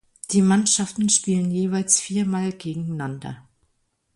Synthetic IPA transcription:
d̥iːmanʃaftn̩ʃpiːlənjeːvaɪlsfiːɐmaːlɡeːɡŋ̩nandɐ̰

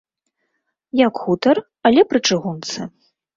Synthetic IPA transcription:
jakxut̪ɐr | ɐlʲɛpɾɨt͡ʂɨɣunt̪sɨ

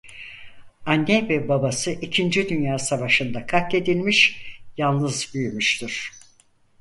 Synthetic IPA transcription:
anːɛvɛbabasɯʔicʰind͡ʒid̪ynjaːsavaʃɯnd̪akʰake̞d̪ilʲmiʃjalˠnɯzbyjmyʃt̪ʰiɾ̥

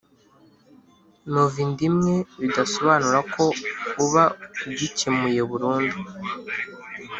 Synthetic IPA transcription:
noviːndimŋe̞βidaso̞βaːnuɾakʰo̞uβaubɟicemuje̞βuɾuːndu

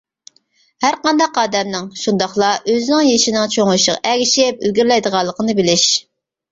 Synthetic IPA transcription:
hæɾqɑnd̪ɑqɑːd̪ɛmnɪŋʃund̪ɑχlˠɑʔøzɪnɪŋjeʃinɪŋt͡ʃʰoŋlɨʃəʁɛɡʲiʃɪp̚yɡʲyɾlɛjd̪əʁɑlˠːəqʰənɨbɪlɪʃ

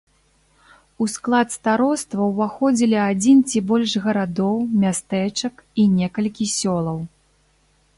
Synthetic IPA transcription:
usklˠat̪st̪aɾɔst̪vɐwvaxɔd͡zʲilʲiad͡zʲint͡sʲibɔlʲʂɣɐɾad̪ɔwmʲast̪ɛt͡ʂɐkinʲɛkɐlʲkʲisʲɔlˠɐw

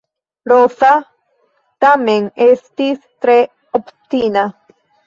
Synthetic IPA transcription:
ɾosa | t̪ameŋest̪ist̪ɾe | opt̪ina

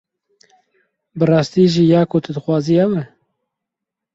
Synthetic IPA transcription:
bɨrɑːst̪iːʒiːjɑːkʰot̪ʰɨd̪ɨxwɑːziːhɛwɨ

